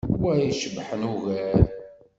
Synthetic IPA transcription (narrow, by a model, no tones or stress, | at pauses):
wæjiʃəbħənuɣæɾ